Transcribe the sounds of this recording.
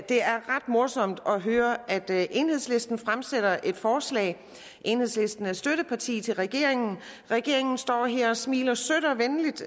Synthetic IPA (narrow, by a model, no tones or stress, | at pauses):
d̥e̝æɐʁɑd̥mo̝ɐsɒ̽m̰d̥ɒ̽ɦøːɐʔæd̥ʔe̝nhe̝ð̞̰ˠsle̝sd̥n̩fʁamseɾ̥ɐʔe̝d̥fɒːslɛ̰ːɪ | ʔe̝nhe̝ðˠsle̝sd̥n̩æsd̥øɾ̥əpʰɑ̈t͡sʰḭːt͡sʰe̝lʁɛɡ̥e̝ɐ̰eŋn̩ʁɛɡ̥e̝ɐe̝ŋn̩sd̥ɒ̰ːɦeɐ̰ɒ̽smiːlɐsøɾ̥ɒʋenlid̥